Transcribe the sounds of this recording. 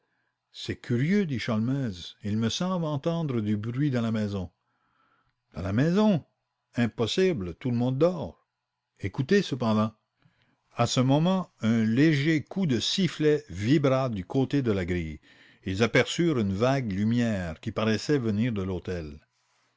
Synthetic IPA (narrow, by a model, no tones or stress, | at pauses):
sɛkʰʲyʁjød̪iʃalmɛzilməsɑ̃blɑ̃t̪ɑ̃d̪ʁəd̪ybʁɥid̪ɑ̃lamɛzɔ̃ | d̪̥ɑ̃lamɛzɔ̃ | ɛ̃pɔsiblət̪uləmɔ̃d̪ːɔːʁ | ekut̪esəp̬ɑ̃d̪ɑ̃ | asəmɔmɑ̃œ̃leʒekʰud̪əsiflɛvibʁad̪ykʰot̪ed̪əlaɡʁḭj | ilzapɛʁsyʁynvaɡlymjɛːʁkʲipaʁɛsɛvəniːʁd̪əlot̪ɛl